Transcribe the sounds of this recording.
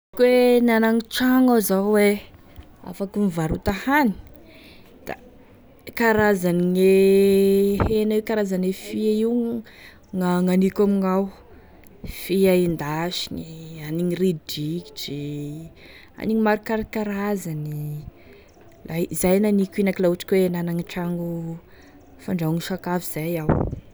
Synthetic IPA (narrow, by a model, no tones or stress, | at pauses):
kwenanaŋiʈ͡ʂaŋawzawe | a̰fakumivaɾut̪ahani̥ | d̪̥a̰ | kaɾazaniŋe | henaiwkaɾazanefiaiw | ŋaŋanikʲamiŋaw | fiaind̪aʃinianiŋiridiki̥d͡ʒi | a̰niɲimaɾukaɾkaɾazani | lazajnanikʲinakilauʈ͡ʂi̥kʲwenanaŋiʈ͡ʂaŋɡu | faɳɖ͡ʐauŋiʃakaviz̥ajaw